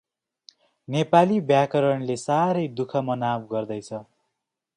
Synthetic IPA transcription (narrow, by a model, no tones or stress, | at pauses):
nepalibjakʌɾʌɳlesaɾʌjd̪ukʰʌmʌnabɡʌrd̪ʌjt͡sʰʌ